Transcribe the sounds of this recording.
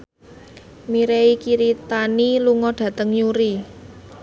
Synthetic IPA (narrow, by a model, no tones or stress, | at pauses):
miɾeikiɾit̪aniluŋɔɖ̥ä̤t̪əŋjuɾi